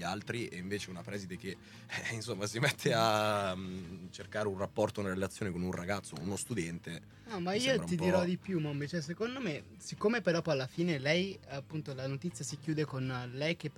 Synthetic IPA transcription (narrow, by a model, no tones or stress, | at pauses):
alt̪ɾieiɱveːt͡ʃeunapɾɛːzid̪ek̟e | insomːasimet̪ʰːea | t͡ʃerkaːɾeunrapːɔrt̪ounaɾelat̪sːjoːnekonunraɡat̪sːo̰unost̪ud̪ɛnt̪e | amaiːoɾat̪id̪iɾɾɔd̪ipjumambet͡ʃɛs̬ekond̪ome | sikːomepeɾɔpɔjalːafiːnelɛjapːunt̪olanot̪it̪sːjasikjuːd̪ekonlɛjk̟e